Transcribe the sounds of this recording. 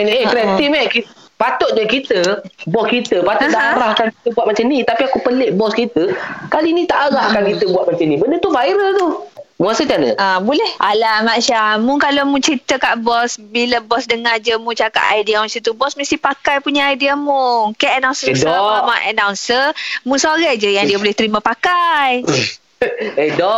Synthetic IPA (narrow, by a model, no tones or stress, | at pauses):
nekɾɛt̪imeki | pat̪ʊt̪̚dakit̪əbɔskit̪əpat̪ʊt̪̚daʔaɾahkanki̥t̪əbuat̪̚mat͡ʃanĩt̪apiakupəleʔbɔskit̪əkalinĩt̪aʔaɣaʔkankit̪əbuat̪̚mat͡ʃanĩbəndət̪ufaiɾəlt̪umũasət͡ʃanə̰ʔabolɛhʔalamaʃamũŋkalomũt͡ʃɾit̪əkaʔbɔsbilabɔsdəŋad͡ʒəmũt͡ʃaka̰ʔajdiamãsit̪ubɔsmə̃st̪ihpakajpuɲaajdiamukaʔanaw̃nsəesɔamaʔa̰nawnsəmũsaɣad͡ʒəjaŋdiəbolɛht̪əɾimə̃pakaj | edɔ